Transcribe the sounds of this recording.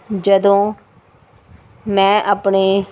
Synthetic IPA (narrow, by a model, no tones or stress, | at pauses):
d͡ʒəd̪õː | mɛ̃ːʔaːpɳeː